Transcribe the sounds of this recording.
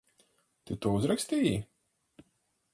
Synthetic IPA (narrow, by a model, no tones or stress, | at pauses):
t̪ɪt̪uɔuzɾaksʲt̪ʲiːji